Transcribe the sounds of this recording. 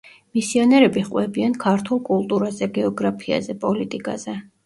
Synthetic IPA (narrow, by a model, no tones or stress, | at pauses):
misiɔnɛɾɛbiχqʼwɛbiankʰaɾt̪ʰulˠkʼulˠt̪ʼuɾazɛɡɛɔɡɾapʰia̰zɛpʼɔlit̪ʼikʼa̰z̥ɛ